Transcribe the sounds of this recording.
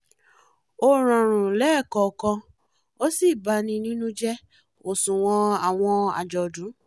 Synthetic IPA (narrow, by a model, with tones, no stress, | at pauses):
o˧ɾ̃ã˨ɾ̃ũ˨lɛ˦˨kɔ˨kɔ̃˧ | o˦si˦˨ba˧˦nĩ˧nĩ˦nũ˦d͡ʒɛ˦ | o˨sũ˨w̃ɔ̃˧a˨w̃ɔ̃˧a̰˨d͡ʒɔ˨dũ˨˦